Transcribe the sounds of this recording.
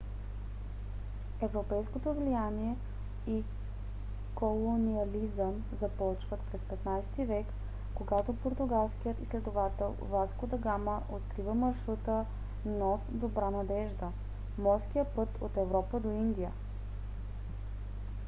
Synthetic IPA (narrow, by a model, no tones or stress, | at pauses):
ɛvɾopɛjskot̪ovlijaniɛ | i | kolˠoniɐlizəm | zɐpɔt͡ʃvət̪pɾɛspɛt̪najsɛ̥t̪ivɛkː | oɡat̪opoɾt̪ʊɡalˠskijət̪islɛd̪ovat̪ɛlˠvaskod̪ɐɡaməʔot̪̚kɾivəmɐɾʃɾut̪ə | nɔsd̪obɾanɐd̪ɛʒd̪ə | mɔɾskijəpɤt̪ot̪ɛvɾɔpəd̪oind̪ijə